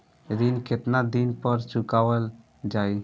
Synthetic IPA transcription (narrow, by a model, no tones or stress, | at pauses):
ed̪inkʰet̪nad̪inpəɾt͡ʃukawəl | d͡ʒaj